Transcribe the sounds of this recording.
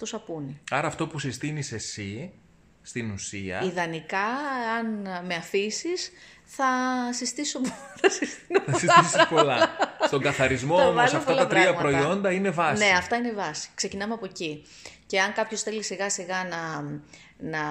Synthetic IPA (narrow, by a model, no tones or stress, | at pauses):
t̪usɐpuniɐɾɐːft̪o̞pusist̪inise̞si | st̪inusiɐ̰iðɐnikɐɐnme̞ɐfisis | θɐsist̪isopθɐsist̪inoɐsisisspolɐst̪o̞ŋɡɐθɐɾizmo̞omɐosɐfpoɐlɐɐtp̪ɾiɐɐmɐpɾo̞io̞nd̪ɐine̞vɐssne̞ɐft̪ɐine̞vɐsi̥kse̞cinɐmeɐpo̞ci | ce̞ɐŋkɐpço̞sθe̞lisiɣɐsiɣɐnɐ | nɐ